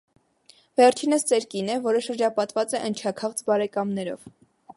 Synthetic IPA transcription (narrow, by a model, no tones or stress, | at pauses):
vɛɾt͡ʃʰinəst͡sɛɾkinɛvɔɾəʃəɾd͡ʒɑpɑt̪vɑt͡sɛʔənt͡ʃʰɑkʰɑʁt͡sbɑɾɛkɑmnɛɾɔ̰v